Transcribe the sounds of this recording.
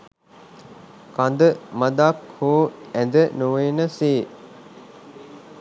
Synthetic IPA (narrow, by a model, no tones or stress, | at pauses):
kand̪əmad̪akhoːænd̪ənuʋeːnəseː